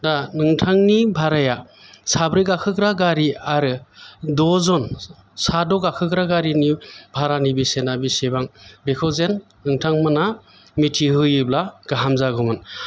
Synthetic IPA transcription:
danɯŋtʰaŋnibʱaɾaja | sabɾɯɡakʰɯkɾaɡaɾiaɾɯdɔzɔn | sadɔɡakʰɯkɾaɡaɾinibʱaɾanibisenabisebaŋbekʰɔzenː | ɯŋtʰaŋmɯna | mitʰiɦɯjɯblaɡ̥aɦamzaɡɯmɯn

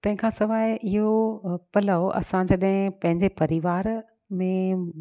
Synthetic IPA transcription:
t̪ɐ̃ɦɪ̃kʰãːsɐʋaːɪʔɪɦopɐlaoʔɐ̰sãd͡ʑɐɗɦɪ̃pɐ̃ɦɪ̃ɲd͡ʑepɐɾiʋaːɾ | mẽ

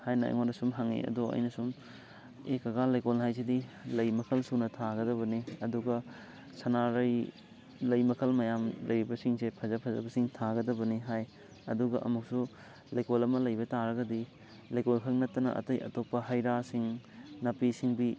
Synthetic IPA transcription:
hajnɐa̰jŋonɐsumɦaŋḛɐ̰doɐ̰jnɐsum | ekɐɡalajkolnɦajs̬idilɐjmɐkʰɐlsunɐtʰaɡɐdɐβɐniɐduɡɐ | sɐnaɾɐj | lɐjmɐkʰɐlmɐjamlʔɐjɾibɐsiŋsepʰɐzɐpʰɐzɐ̰bɐsiŋtʰaɡɐdɐbɐniɦaj | ɐ̰duɡɐʔɐ̰muk̚su | lɐjkolɐmɐlɐjbɐtaɾɐɡɐdi | lajkolkʰɐk̚nɐtːɐnɐ̰ʔɐ̰tɐjɐ̰topːɐɦɐjɾasiŋnɐpisiŋbi

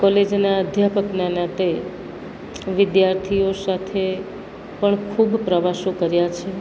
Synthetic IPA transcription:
kɔled͡ʒnaəd̪ʱjapəknanat̪e | ʋɪd̪jaɾt̪ʰijosat̪ʰe | pəɳkʰubpɾəʋaʃõkəɾjat͡ʃʰe

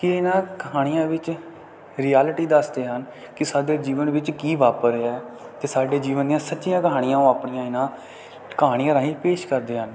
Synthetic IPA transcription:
kɪɪnãːkəɦaːɽ̃ijãːʋɪt͡ʃ | ɾiːɛːlʈiːd̪əsd̪eːɦən | kɪsaːɖeːd͡ʒiːʋənʋɪt͡ʃkiːʋaːpəɾɛːt̪eːsaːɖeːd͡ʒiːʋəneãːsətːʃijãːkəɦaːɽ̃ijãːõːaːpɳijãːɪnãː | kəɦaːɽɪjãːɾãːɦĩːpeːʃkəɾd̪eːɦən

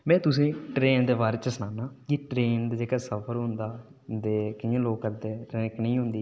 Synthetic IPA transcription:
mɛ̃ːt̪ʊsẽːʈɾeːnd̪eːʋaːɾt͡ʃəsənaːnaːkiʈɾeːnd̪aːd͡ʒeːkaːsəpʰəɾɦʊ̃nd̪aː | d̪eːkɪjẽːloːkəɾd̪eːɾɛ̃ːknəĩːɦʊ̃nd̪iː

